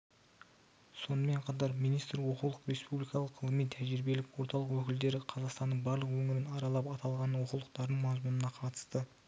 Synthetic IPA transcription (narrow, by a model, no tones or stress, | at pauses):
so̞nəme̞ɴqʰɑt̪̬ɑɾmijnijst̪ɾwo̞qulˠəqɾe̞spublijkɑlˠəqːʰəlˠəmijt̪ʰæʒɪɾbe̞lɪkwo̞ɾt̪ɑlˠəqwɵkʲɪld̪e̞ɾɪqʰɑzɑqst̪ɑnd̪əɴbɑɾlˠəqwɵŋɪɾɪnɑɾɑlˠɑpɑt̪ɑlˠʁɑnwo̞qulˠəqt̪ɑɾd̪əɴmɑzmunənɑqʰɑt̪ə̥st̪ə